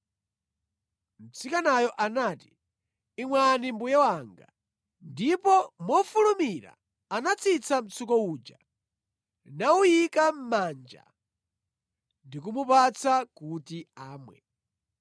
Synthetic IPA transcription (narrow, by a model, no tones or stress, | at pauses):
m̩t͡sikanajɔʔanaːtiː | ŋwanimbujɛwaŋɡa̰ | ndipɔmɔfulumiɾa̰ | anat͡sʰit͡sʰam̩t͡sʰukɔuːd͡ʒa | naujikam̩maːnd͡ʒa̰ | ndik̬umupat͡sʰakutiaːmwɛ̰